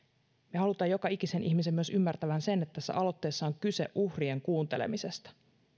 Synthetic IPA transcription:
mehɑlut̪ɑjo̞kɑikise̞nʔiçmisemːyøsymːært̪æʋænse̞net̪ːæt̪æsːæ̰ʔɑlo̞t̪ːe̞ːsːɑoŋkyse̞̰ʔʔuhrie̞ŋkuːnt̪elḛmise̞st̪ɑ̥

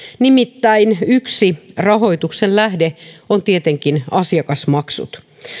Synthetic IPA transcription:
nimit̪ːæinyksirɑɦo̞it̪uksenlæhdeont̪iet̪eŋkinɑsiɑkɑsmɑksṵt̪

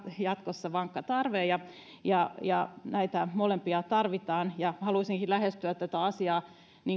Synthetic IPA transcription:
jɑt̪kosːɑʋɑŋkːɑt̪ɑrʋeːjɑ | jɑjɑnæit̪æmolempiɑt̪ɑrʋit̪ɑːnjɑhɑluisiŋkilæhest̪yæt̪t̪ːæt̪æɑsiɑː | ni

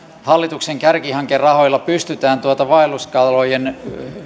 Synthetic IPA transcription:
hɑlːit̪ukseŋkærkihɑŋkerrɑhojlːɑpyst̪yt̪æːnt̪uot̪ɑʋɑeluskɑlojen

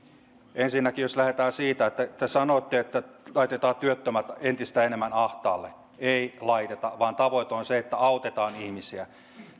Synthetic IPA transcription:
ensinːækijoslæhet̪æːsiːt̪æet̪ːæt̪ːæsɑnoˑt̪ːiet̪ːælɑit̪et̪ɑːt̪yøt̪ːømæt̪ent̪ist̪æenemːænɑht̪ɑ̰ːlːḛ | eilɑit̪et̪ɑʋɑːnt̪ɑʋoit̪eonseet̪ːæɑot̪et̪ɑːnihmisiæ

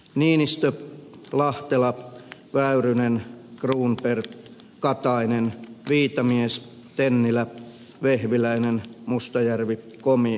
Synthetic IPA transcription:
niːnist̪ølɑht̪elɑʋæyrynenkruːmper | kɑt̪ɑinenʋiːt̪ɑmies | t̪enːilæ | ʋehʋilæinenmust̪ɑjærʋikomi

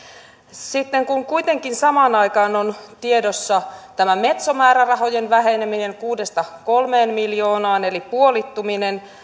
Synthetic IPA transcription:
sit̪ːeŋkuŋkuit̪e̞ŋkinsɑmɑnɑikɑːnont̪iedosːɑt̪æmæme̞t̪somæːɾærɑɦo̞jenʋæɦe̞nemine̞ŋkuːdest̪ɑkolme̞ːnmiljo̞ːnɑːne̞lipuolit̪ːuminen

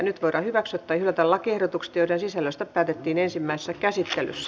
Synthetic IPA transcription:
nyt̪ʋoiɾɑhyʋæksot̪ːɑːihylːˑæt̪ɑlɑkiehɾot̪ukse̥t̪joiɾensisælːøst̪æpæːt̪et̪ːiːnensimːæise̥sːækæsit̪ːely̰sːæ̥

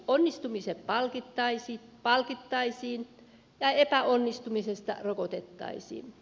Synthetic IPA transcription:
onːist̪umiseppɑlkit̪ːɑisiːtpɑlkit̪ːɑisiːn | jɑepæonːist̪umisest̪ɑ̰rokot̪et̪ːɑ̰isḭːn

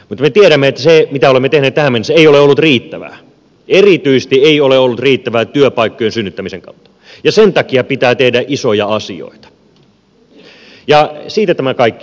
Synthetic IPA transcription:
mut̪met̪ieɾæmːeet̪ːæsemit̪æolemːet̪ehneːt̪t̪æhæmenːeseioleolːut̪riːt̪ːæʋæ̰ː | erit̪yise̥st̪ieioleolːut̪riːt̪ːæʋæːt̪yøpɑikːojensynːyt̪ːæmiseŋkɑ̰ut̪ːɑ̥ | jɑsent̪ɑkiɑpit̪æːt̪ehdæʔisojɑɑsḭo̰it̪ɑ̥ | jɑsiːt̪æt̪æmækɑikːi̥

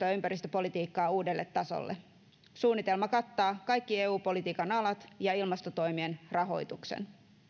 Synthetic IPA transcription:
oːympæɾist̪øpolit̪iːkːɑːuːdelːe̞t̪ːɑso̰lːḛ | suːnːit̪e̞lmɑkɑt̪ːɑːkɑjkːieːuːpo̞lit̪iːkɑnɑlɑt̪jɑilmɑst̪ot̪o̞jmienrɑɦo̞̰jt̪uksḛn

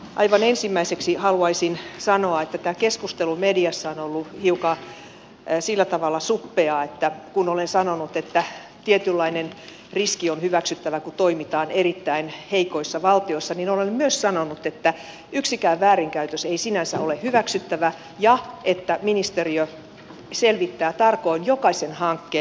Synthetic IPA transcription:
ʔɑ̰iʋɑnensimːæiseksihɑluɑisinsɑnoɑet̪ːæt̪æːkeskust̪elumediɑsːɑonolːuhiukɑ | silːæt̪ɑʋɑlːɑsupːeɑet̪ːækunolensɑnonut̪et̪ːæ | t̪iet̪ylːɑinen | riskionhyʋæksyt̪ːæʋækut̪oimit̪ɑːnerit̪ːæinheikoisːɑʋɑlt̪iosːɑninolemmyøssɑnonut̪et̪ːæ | yksikæːʋʋæːɾiŋkæyt̪øseisinænsæolehyʋæksyt̪ːæʋæ | jɑet̪ːæminist̪eriø | selʋit̪ːæːt̪ɑrkoinjokɑsenhɑŋkːeː

